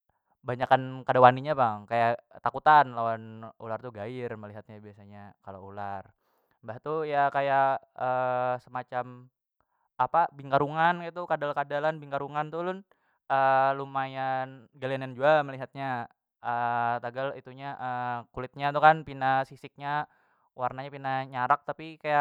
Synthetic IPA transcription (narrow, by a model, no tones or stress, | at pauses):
baɲakankadawaniɲabaŋkajat̪akut̪anlawanolart̪uɡaɪrməliɦat̪̚ɲabiasaɲakaloular | baht̪ujakaja | əsəmat͡ʃam | apabiŋkaɾuŋankit̪ukadalkadalanbiŋkaɾuŋant̪ulʊn | əlumajanɡalianjand͡ʒuaməliɦat̪̚ɲa | ət̪aɡalit̪uɲaʔəkulɪt̪̚ɲat̪ukanpinasisɪk̚ɲa | warnaɲapinaɲaɾak̚t̪apikajaʔ